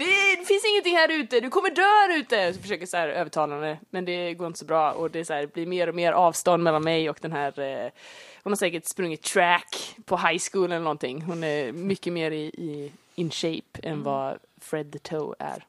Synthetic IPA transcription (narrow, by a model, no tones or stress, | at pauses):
d̪̥ɛd̪ɛfɪnsɪŋːənt̪ɪŋhæːɾʉ̟ːt̪əd̪ɵkʰɔmːəɖøːæɾʉ̟ːt̪əsfœʂøːkəsahæːɾøːvəʈʰɑːland̪əmɛnd̪ɛɡoːɾɪnt̪əsɔbɾɑːɔ̰d̪ɛæshæːɖbliɾmeːɾɔmeːɾʔɑːvst̪ɔnd̪mɛlːanmɛjɔkd̪̥ɛnɦæːɾ | hʊnhaɾʂsɛːkəʈspɾɵŋːɪt̪t̪ːʰɾækpʰɔɦajskuːlənɛlːnɔnt̪ʰɪŋːɦʊnæɾmʏkːəmeːɾɪɪ | ɪnɕejpɛ̰nvɑ | fɾɛd̪ːət̪ʰəʊæ̰ɾ